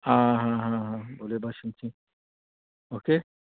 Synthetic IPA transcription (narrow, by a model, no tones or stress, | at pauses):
ɦãɦãɦãɦãbolebʱaʃumt͡ʃʰĩ | oke